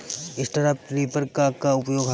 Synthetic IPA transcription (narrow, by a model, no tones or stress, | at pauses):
ɪsʈaɾapʈɾiːpəɾkakaʊpjoːɡɦ